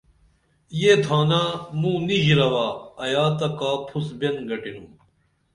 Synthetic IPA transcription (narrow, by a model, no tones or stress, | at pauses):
jeːt̪ʰaːnamũːniʑɾɐwaːɐjaːt̪ɐkaːpʰusbenɡɐʈinũː